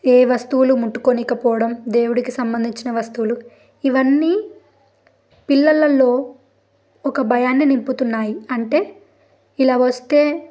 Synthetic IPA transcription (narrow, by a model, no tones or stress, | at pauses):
eːʋɐst̪uʋulumuʈːukoniːkɐpɔːʋɐɽɐmd̪e̞ːwuɽikisɐmbɐnd̪ʱiɲt͡ʃinɐʋɐst̪uʋulu | iʋɐnːiː | pilːɐlːɐlːo̞ː | ɔkɐbʱɐjaːnːinimput̪unːaːjiɐɳʈe̞ː | ilaːʋɐst̪e̞ː